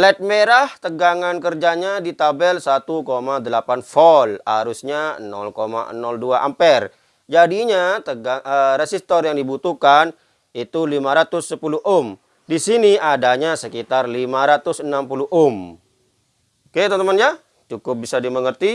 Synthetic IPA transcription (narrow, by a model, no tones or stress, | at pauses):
lɛt̪̚meɾaht̪əɡaŋankərd͡ʒaɲadit̪abɛlsat̪ukomadəlapanfɔla̰ɾusɲanɔ̰lkoma̰nɔlduaʔa̰mpɛr | d͡ʒadiɲat̪əɡaəɾesist̪ɔrjaŋdibut̪ukan | it̪ulimaɾat̪ʊsːəpuluʔʊm | disiniadaɲasəkit̪arlimaɾat̪ʊsənampuluʔʊm | ket̪at̪əmanja | t͡ʃukʊp̚bisadiməŋərt̪i